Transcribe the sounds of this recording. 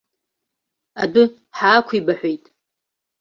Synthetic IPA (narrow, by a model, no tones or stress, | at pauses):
abɨ | ħaːkʷʰibaħʷᶣejtʼ